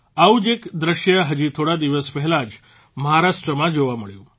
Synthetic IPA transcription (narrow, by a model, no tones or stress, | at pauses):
aud͡ʑekd̪ɾəɕjəɦəd͡ʑit̪ʰoɽad̪iʋəspɛɦɛlad͡ʑ | məɦaɾaʂʈɾəmad͡ʑoʋaməɭju